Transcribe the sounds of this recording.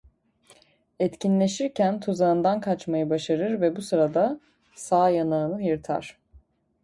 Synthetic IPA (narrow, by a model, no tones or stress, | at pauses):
ɛt̪cinlʲe̞ʃiɾcʰænt̪ʰuzaɯnd̪ankʰat͡ʃmajɯbaʃaɾɯɾvɛbusɯɾad̪a | saːjanaɯnɯjɯɾt̪ʰa̰ɾ̥